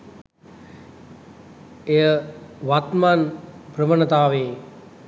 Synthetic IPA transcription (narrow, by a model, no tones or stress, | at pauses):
ejəʋat̪manprəmənət̪aːʋeː